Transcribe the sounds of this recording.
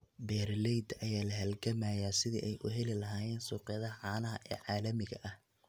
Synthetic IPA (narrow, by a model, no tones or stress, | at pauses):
bɛːrlɛjd̪ɐjaːlɐɦɐlɡɐmaːjaːsɪðḭːʔɛjʔʊɦɛlɪlɐɦaːjɛːnsuːqɛðɐɦɐʕɑːnɐɦɐ̰ʔɛ̰ːʕɑːlɐmɪɣɐ̰ʔɐh